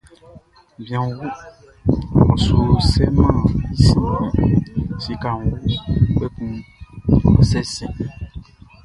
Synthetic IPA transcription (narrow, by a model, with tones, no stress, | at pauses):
bĩ˨ã˨wu˦ | ũ˨su˨sɛ˦mã˦i˦sĩ˦ĩ˨si˨ka˨ŋ˦wu˦k͡pe˦kũ˦ | sɛ˦sĩ˨